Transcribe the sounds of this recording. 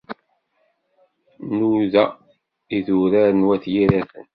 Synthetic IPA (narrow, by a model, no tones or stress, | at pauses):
nuðæ | iðuɾaɾənwæθjiɾæθə̰n